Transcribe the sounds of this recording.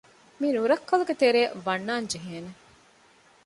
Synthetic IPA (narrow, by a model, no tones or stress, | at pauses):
minuɾɐkːɐluɡet̪eɾeːʋɐnːaːnd͡ʒeɦeːne